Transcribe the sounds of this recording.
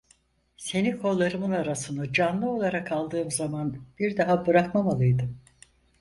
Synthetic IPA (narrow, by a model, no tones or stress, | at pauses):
se̞nikʰo̞lˠːaɾɯmɯnaɾasɯnɯd͡ʒanlˠɯo̞lˠaɾakʰalˠd̪ɯːmzamanb̥iɾd̪aɦabɯɾakmamalˠɯjd̪ɯm